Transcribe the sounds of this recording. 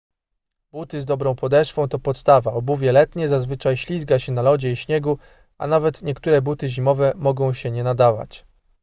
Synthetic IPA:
b̥ut̪ɘzd̪ɔbɾɔ̃w̃pɔd̪ɛʂfɔ̃w̃t̪ɔpɔt̪st̪avaɔbuvʲjɛlɛt̪ɲɛzazvɘt͡ʂajɕlʲizɡaɕɛnalɔd͡ʑɛiɕɲɛɡu | a̰navɛt̪ɲɛkt̪uɾɛbut̪ɘʑimɔvɛmɔɡɔ̃w̃ɕɛɲɛnad̪ava̰t͡ɕ

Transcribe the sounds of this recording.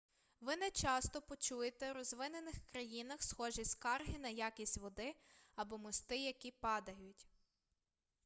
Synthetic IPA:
ʋɪnɛt͡ʃɑst̪ɔpɔt͡ʃujet̪ɛɾɔzʋɪnenɪxkɾɐjinɐxsxɔʒiskɑrɦɪnɐjakʲisʲtʲʋɔd̪ɪɐbɔmɔst̪ɪjɐkʲipɑd̪ɐjʊtʲ

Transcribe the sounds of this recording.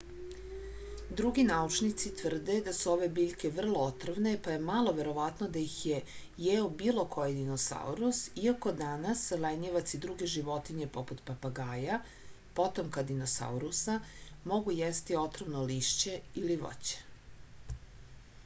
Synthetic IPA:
d̪ɾuɡinauʈ͡ʂnit̪sit̪ʋr̩d̪e̞d̪asuo̞ʋe̞biʎʲke̞ʋr̩lˠoot̪rʋne̞pajemalˠo̞ʋe̞ɾo̞ʋat̪nod̪ajixje | jeobilo̞kʰo̞jid̪inosa̰ṵɾusiako̞d̪anasleɲeʋat̪sid̪ɾuɡe̞ʒiʋo̞t̪iɲe̞po̞put̪papaɡaːja | po̞t̪omkad̪ino̞sa̰uɾusamo̞ɡujest̪io̞t̪ɾʋnoliʃt͡ɕe̞iliʋo̰t͡ɕe̥

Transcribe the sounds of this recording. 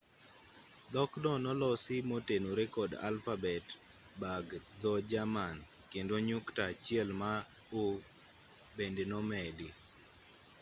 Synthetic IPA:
d̪ɔkdɔnɔlɔsɪmotenoɾekɔda̰lfabɛt | baɡd̪ɔd͡ʒaman | kendoɲuktat͡ʃɪɛlma | o | bendenɔmɛdɪ

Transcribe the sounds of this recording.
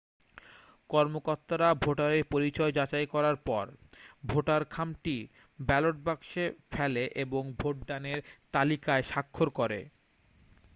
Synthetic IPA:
kɔɾmokoɾt̪ːaɾabʱoʈaɾeɾpoɾit͡ɕɔed͡ʑat͡ɕajkɔɾaɾpɔɾbʱoʈaɾkʰamʈi | bɛloʈ̚bakʃefʰɛleʔeboŋbʱoʈ̚ɖaneɾt̪alikaeʃakʰːoɾkoɾḛ

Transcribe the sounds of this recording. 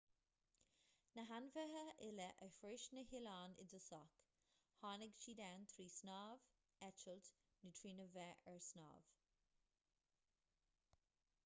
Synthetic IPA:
nəɦanvəɦəʔɪləʔəfɾɪʃnəɦɪlɑːnɪ̰dəsɔk | hɑːnɪɡt͡ʃiːd̪ɛːnt̪ʰɾiːsnɑːv | ɛt͡ʃəlt | nət̪ʰɹiːnəvɛʔɛɹsnɑ̰ːv̥

